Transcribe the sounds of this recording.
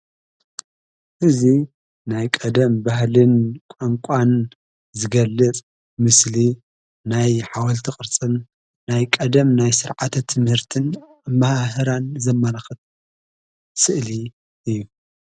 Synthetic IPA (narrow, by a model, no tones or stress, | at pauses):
ʔɨzi | najkʼɐd̪ɐmbahlɨnkʷʼaŋkʷʼan | zɨɡɐlːɨt͡sʼ | mɨsli | najħawɐlt̪ʰɨkʼɨɾt͡sʼɨnː | ajkʼɐd̪ɐmnajsɨɾʕat̪ʰɐt̪ʰɨmhɨɾt̪ʰɨn | mahhɨɾanzɐmːɐlaxɨt̪̚ | sɨʔli | ʔɨjːu